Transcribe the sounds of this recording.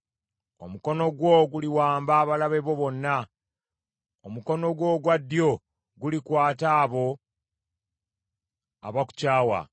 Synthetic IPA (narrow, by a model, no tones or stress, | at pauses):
o̞̰muko̞no̞ɡwo̞ɡuliwaːmbaːβalaβe̞βo̞βo̞nːa | omuko̞no̞ɡwo̞ːɡwadːjo̞ | ɡulikwaːtaːβo̞ | a̰βaku̥caːwa̰